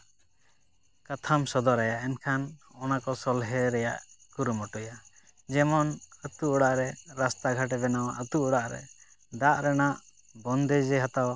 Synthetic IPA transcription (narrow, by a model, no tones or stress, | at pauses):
kat̪ʰamsɔd̪ɔɾɛjaʔɛnkʰanɔnakɔsɔlɦɛɾɛjaʔkuɾumɔʈɔja | d͡ʒɛmɔnət̪uʔɔɽaʔɾɛɾast̪aɡʱaʈ̬ɛbɛnawaʔət̪uʔɔɽaʔɾɛ̰ | d̪aʔɾɛnaʔ | bɔnd̪ɛd͡ʒɛɦat̪aw